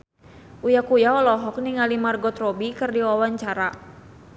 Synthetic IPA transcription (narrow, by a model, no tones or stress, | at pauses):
ʔujakujaɔlɔɦɔk̚niŋalimarɡɔt̪rɔbikɨrdiwawaɲt͡ʃaɾa